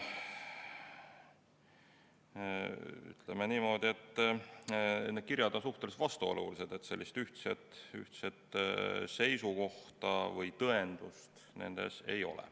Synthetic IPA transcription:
y̰t̪ˑlemeniːmo̞ːd̪ie̞t̪ːˑ | ne̥kiɾjɑd̪onsuht̪elest̪vɑst̪uo̰luliset̪e̞t̪se̞lʲːist̪yht̪set̪yht̪set̪ˑse̞jsuko̞ht̪ɑvɤjt̪ɤe̞nd̪̥ust̪ | ne̞̰nd̪̥e̞̰se̞̰jo̞̰lɛ̰

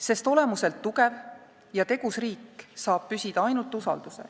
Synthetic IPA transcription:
se̞st̪o̞le̞muse̞lt̪ːuɡ̥e̞v | jɑt̪e̞ɡ̥usriːkːsɑːb̥̚pysʲid̪̥ɑɑjnult̪ˑusɑ̰ld̪̥use̞̰

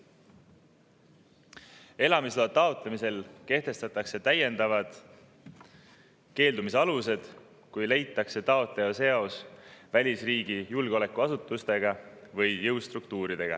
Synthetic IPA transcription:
e̞lɑmisloːt̪ːɑot̪lemise̞lke̞ht̪e̞st̪ɑt̪ːˑɑkse̞t̪æje̞nd̪̥ɑvɑd̪̥ | ke̞ːld̪umis̬eɑluse̞d̪̥ | kujle̞jt̪ːˑɑkse̞t̪ɑo̞t̪ˑle̞ose̞o̞svælʲisriːɡ̥ijulɡ̥eo̞le̞kːˑuɑsut̪ːˑust̪e̞ɡ̥ɑ | vɤjjɤwst̪rukt̪uːɾid̪̥e̞ɡ̥ɑ̰

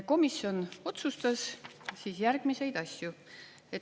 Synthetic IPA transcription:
ko̞misjo̞no̞t̪sust̪ɑssiːsjæɾɡ̥mise̞jd̪̥ɑsʲju | e̞

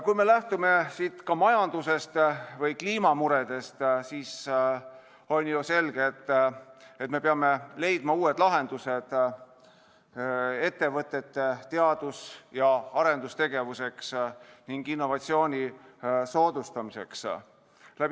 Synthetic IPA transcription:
kujme̞læht̪ume̞siːt̪kɑmɑjɑnd̪̥use̞st̪vɤjkliːmɑmuɾe̞d̪̥e̞st̪siːs | o̞nʲjuse̞lɡ̥eːt̪ːˑ | et̪me̞peɑme̞le̞jd̪̥mɑuːe̞d̪̥lɑɦe̞nd̪̥use̞d̪̥ | e̞t̪ːe̞vɤt̪ːˑe̞t̪ːet̪ːe̞ɑd̪̥usjɑɑɾend̪ust̪e̞ɡ̥e̞vuse̞ksniŋɡ̥inːo̞vɑt̪sio̞ːnʲiso̞ːd̪ust̪ɑmise̞ks | læb̥

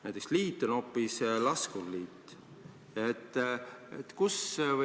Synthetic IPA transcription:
næjt̪ːˑeksliːt̪ːˑono̞pːˑislɑskulliːt̪ː | et̪ːˑḛt̪kusv

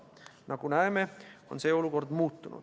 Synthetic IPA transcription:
nɑɡ̥unæeme̞o̞nse̞ːo̞luko̞rd̪muːt̪ˑːunʔṵd̪̥

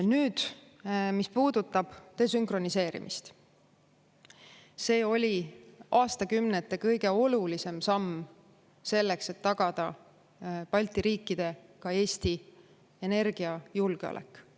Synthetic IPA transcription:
nyːd̪̥ | mispuːd̪̥ut̪ˑːɑb̥t̪e̞s̬yŋkro̞nise̞ːɾḭmʔist̪ | se̞ːo̞lʲiʔɑːst̪ɑkymnet̪ːˑe̞kɤjɡe̞o̞lulise̞msɑmː | se̞lːekset̪ːɑɡ̥ɑd̪̥ɑ | pɑlʲt̪ːˑiɾiːkːˑid̪̥e̞kɑe̞ːst̪i | ene̞rɡ̥iɑjulɡ̥eo̰lʔḛkːˑ

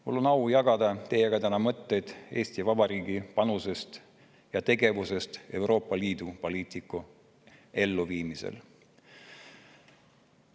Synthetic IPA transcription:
mulːonɑwjɑɡ̥ɑd̪ɑt̪e̞jeɡ̥ɑt̪ænɑmɤt̪ːejd̪̥e̞ːst̪ivɑb̥ɑɾiːɡ̥ipɑnuse̞st̪ | jɑt̪e̞ɡe̞vuse̞st̪e̞wɾo̞ːpːˑɑliːd̪upo̞liːt̪ikːu | e̞lːuviːmisḛl

